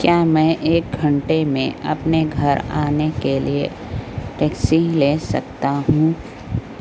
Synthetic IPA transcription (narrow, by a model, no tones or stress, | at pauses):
kjaːmɛ̃ːʔeːk̚ɡʱɐ̃ɳʈemẽɐ̰pneɡʱɐɾaːnekeliḛ | ʈɛːksilesɐ̰k̚t̪aɦũː